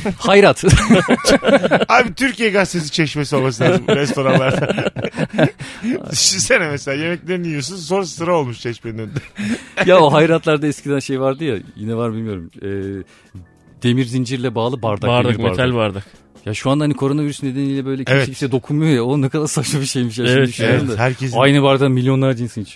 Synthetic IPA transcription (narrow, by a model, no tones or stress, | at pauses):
hajɾat̪ | aːbit̪ʰyɾcijɛɡast̪ʰes̬i̥t͡ʃʰeʃmesio̞lˠmasɯlˠaɾd̪ɾɛso̞ɾanlˠaɾa | ʃisenɛmɛselʲaːjemɛc̚lʲeɾiniijos̬uns̬o̞nɾasɨ̥sɯɾao̞lˠmuʃt͡ʃʰɛʃmɛnønd̪ɛjaoɦajɾat̪lˠaɾd̪aɛscʰid̪ænʃe̞jvaɾd̪ɯjajinɛvaɾbilʲmijo̞ɾumɛː | d̪̥e̞miɾzind͡ʒiɾlʲɛbaːlˠɯbaɾd̪aaɾed̪aiɾmbeaɾd̪ælʲaɾd̪ak | jaʃuand̪aanikʰo̞ɾo̞naviɾysned̪enijlʲɛbøjlʲɛceeiɟipsɛd̪o̞kʰunmɯjojaonɛkʰad̪aɾsaʃabiʃe̞jmiʃ̬ad̪yʃond̪ahæɾcʰɛzajnɯbaɾd̪amilʲːjo̞nlˠaɾd͡ʒinsinit͡ʃʰ